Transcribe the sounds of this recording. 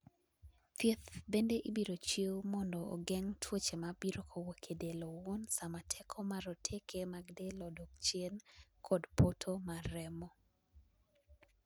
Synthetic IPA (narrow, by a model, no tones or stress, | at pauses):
t̪jet̪bendeʔibiɾot͡ʃewmɔndɔo̰ɡɛŋtʰwot͡ʃemabiɾokʰowokʰedelowonsamatʰɛkʰɔmaɾɔtʰekʰemaɡdelɔdɔk̚t͡ʃjenkʰɔdpotʰomaɾɛmɔ